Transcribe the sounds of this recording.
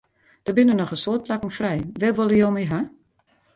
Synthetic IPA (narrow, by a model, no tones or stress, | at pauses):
d̥ərbɪnənɔxəsoət̚plakŋ̩frɛjʋɛʋolˠəjoːmiɦa